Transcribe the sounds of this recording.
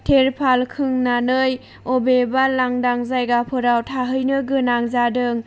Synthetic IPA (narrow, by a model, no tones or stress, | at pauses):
tʰeɾpʰalkʰɯŋnanɯj | ɔbebalaŋdaŋzajɡapʰɯɾawtʰaɦɯjnɯɡɯnaŋzadɯŋ